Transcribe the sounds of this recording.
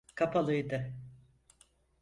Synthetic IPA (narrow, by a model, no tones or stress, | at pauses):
kʰapʰalˠɯjd̪ɯ